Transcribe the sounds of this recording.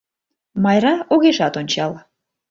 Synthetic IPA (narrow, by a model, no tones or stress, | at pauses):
mɑjrɑoɣeʃɑt̪onʲt͡ɕɑl